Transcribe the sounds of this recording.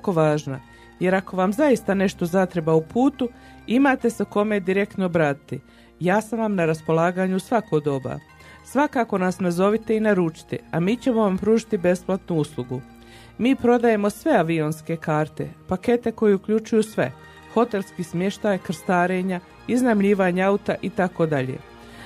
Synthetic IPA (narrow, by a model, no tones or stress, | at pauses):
ako̞ʋaːʒna̰ | je̞ɾako̞ʋamzaist̪ane̞ʃt̪o̞zat̪ɾe̞baupuːt̪u | imaːt̪e̞seko̞me̞d̪iɾe̞kt̪nobɾaːt̪i̥t̪i | jaːsamʋamnaɾaspo̞lˠaːɡaːɲusʋako̞ɡd̪o̞ba̰ | sʋakaːko̞nasnazo̞ʋit̪einaɾut͡ʃi̥t̪ḭamiːt͡ɕe̞mo̞ʋampɾuːʒit̪ibe̞splˠat̪nuuslˠuɡu | miːpɾo̞d̪aje̞mo̞sʋe̞aʋio̞nske̞kaːɾt̪e̞̰pake̞t̪e̞ko̞jeukʎut͡ʃujusʋe̞̰ | xo̞t̪e̞lskiːsmje̞ʃt̪aːjkr̩st̪aːɾe̞ːɲa | iznamʎiːʋaɲaaut̪aʔit̪ako̞d̪aʎḛ